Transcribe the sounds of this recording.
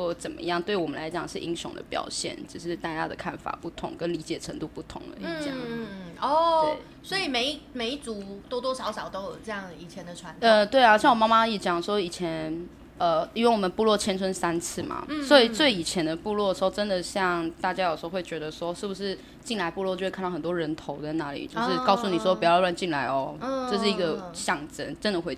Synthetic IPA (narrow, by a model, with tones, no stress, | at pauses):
ɔ˥˧˩t͡sə˨˩nmə̰˦jɑ˥˨ŋt̪we˥˩ɪwɔ˨˩mə˦nla˧˥ɪt͡ɕjɑ̰˨˩ŋʂɻ̩˥˩ʔi˦˥ŋɕjʊ̰˧˥ŋd̪ə̰˧pjɑ̰˨˩ʊɕjɛ̰˥˩nt͡ɕ̩˥˧˩ʂɻ̩˥˧t̪a˥˧t͡ɕa̰˥˧d̪ə̰˩kʰa˥˩nfa̰˨˩pu˥˩t̪ʰʊ̰˧˥ŋkə˦nli˧˥t͡ɕjɛ˨˩ʈ͡ʂʰə˧˥ŋt̪u˥˧pu˥˩t̪ʰʊ̰˧˥ŋd̪ə̰˧i˥˩˥a̰˥˦ɔ˥˩˥ | swɔ˧˥i˨˩me˨˥ɪ˥me˨˥ɪi˥t͡su˨˥t̪wɔ˥t̪wɔ˥ʂɑ˧˥ʊʂɑ˨˩ʊt̪o˥ʊjo˨˩ʊʈ͡ʂɤ˥˧jɑ˥˩ŋi˨˩t͡ɕʰjɛ˧˦nd̪ə˨ʈ͡ʂʰwa˧˦nə˥˧t̪we˥˩ɪa˧˥ɕʰjɛ˧˩˨wɔ˨˩ma˥ma˥iɛ˨˩t͡ɕjɑ˨˩ŋʂwɔ˥i˨˩t͡ɕʰjɛ˧˦n | ə˨˩i˧˥wnwɔ˨˩mə˨˦npu˥˧lwɔ˥˩t͡ɕʰjɛ˥nt͡sʰə˥nsa˥nt͡sʰɹ̩˥˩ma̰˨˩swɔ˧˥i˨˩t͡swe˥˩ɪi˨˩t͡ɕʰjɛ˧˥nd̪ə˧pu˥˧lwɔ˥˩d̪ə˩ʂɻ̩˧˥o˥˧ʊʈ͡ʂə˦nd̪ə˨ɕjɑ˥˨ŋt̪a˥˩t͡ɕja˥jʂ̩˧˥o˥˧xwe˥˩ɪt͡ɕɥɛ˧˥d̪ə˧ʂwɔ˦˥ʂɻ̩˥˩bu˩ʂɻ̩˥˧ | t͡ɕi˥˩nla˧˥ɪpu˥˧lwɔ˥˩t͡ɕo˥˧˥e˥˧˥nt̪wɔ˥ɻə˧˦nt̪ʰo˧˦ʊt͡sa˥˧ɪna˧˥˦lḭ˨˩t͡ɕjo˥˧ʊʂɻ̩˥˧kɑ˥˩ʊsu˥˨ni˨˩ʂ̬wɔ˦pu˨˩jɑ˥˧lwa˥˧nt͡ɕi˥˩ŋla˧˥ɪɔ˧˦ʈ͡ʂɤ˥˧ʂ̬ɻ̩˥˩i˧˥ɡə˨ɕjɑ˥˩ŋʈ͡ʂə̰˦˥nʈ͡ʂə˧˦nd̪ə˨˩xwe˥˩